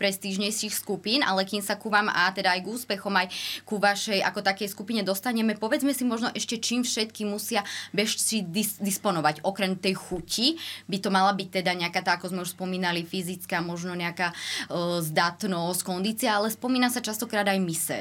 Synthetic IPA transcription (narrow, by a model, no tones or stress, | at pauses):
pɾɛst̪iʒɲɛjʃixskupiːnʔa̰lɛkiːmsakuʋaːmat̪ɛd̪aːjɡuːspɛxɔmajkuʋaʃɛja̰kɔt̪akɛjskupiɲɛd̪ɔst̪aɲɛmɛpɔʋɛd͡zmɛsimɔʒnɔʔɛʃcɛt͡ʃiːmfʃɛt̪kimusɪabɛʃsid̪id̪ispɔnɔʋaɟɔkɾɛmt̪ɛjxucibit̪ɔmalabic̚t̪ɛd̪aɲɛakat̪aːakɔzmɛuʃspɔmiːnalifizit͡skaːmɔʒnɔɲɛakaː | zd̪at̪nɔsckɔnd̪iːt͡siaalɛspɔmiːnasat͡ʃast̪ɔkɾaːd̪ajmisɛ̰